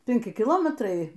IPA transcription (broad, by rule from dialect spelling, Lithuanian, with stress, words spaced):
pʲɛŋʲˈkʲɪ kʲɪˈlˠoːmʲɛtrɐɪ